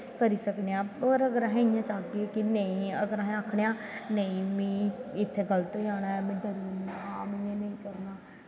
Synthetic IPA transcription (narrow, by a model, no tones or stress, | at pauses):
kəɾiːsəkneãːoːɾəɡəɾaɦɛ̃ijãːt͡ʃaːɡeːkɪnəĩːəɡəɾaːɦɛ̃akʰɽejãː | nəĩːmĩːɪt̪ʰːeːɡəlt̪oːd͡ʒaːɽaːɛːmɛ̃ːɖəɾaːmɪ̃ẽːnəĩːkəɾnaː